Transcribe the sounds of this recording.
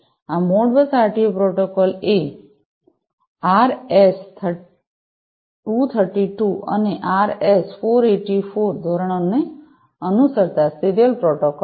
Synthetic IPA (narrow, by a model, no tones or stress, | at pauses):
amoɽbəsaɾʈiopɾɔʈokɔle | aɾest̪ʰ | ut̪ʰəɾʈiʈuə̰neʔaɾesfoɾeʈifoɾd̪ʱɔɾəɳ̃one | ənusəɾt̪asiɾjəlpɾɔʈokɔl